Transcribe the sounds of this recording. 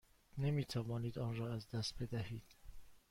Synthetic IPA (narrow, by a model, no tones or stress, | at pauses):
nemiːt̪ʰævɒːniːd̪ɒːnrɒːæzd̪æst̪̚be̞d̪æhiːd̪̥